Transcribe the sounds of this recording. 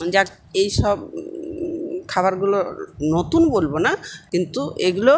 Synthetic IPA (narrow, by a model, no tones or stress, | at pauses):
d͡ʑa | ejʃɔb | kʰaβaɾɡulonot̪unbolbonakint̪uʔeɡulo